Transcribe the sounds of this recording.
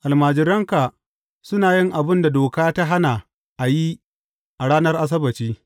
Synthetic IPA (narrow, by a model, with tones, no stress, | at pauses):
ʔa˨lmaː˨d͡ʒɪ˨ɾɐ˦ŋka˨ | sʊ˦naː˨jɪ˦ŋʔa˨bɪ˦nda˨doː˨kaː˦ta˦ɦa˦na˨ | ʔa˨ji˦ | ʔa˨ɽaː˦nɐ˦rʔa˦s̬ɐ˦bɐ˨t͡ʃiː˦